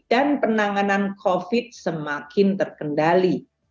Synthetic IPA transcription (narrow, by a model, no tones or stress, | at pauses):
d̥anpənaŋanankʰofɪt̪̚səmakɪnt̪ərkəndali